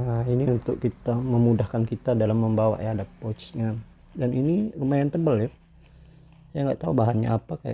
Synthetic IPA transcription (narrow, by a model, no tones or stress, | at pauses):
ainiunt̪ʊkkit̪aməmudahkankit̪adalamːəmbawa̰ʔjaadapot͡ʃɲa | daninirəmajant̪əbəla | sajaŋɡaʔt̪aubaɦanɲa̰ːpakaja̰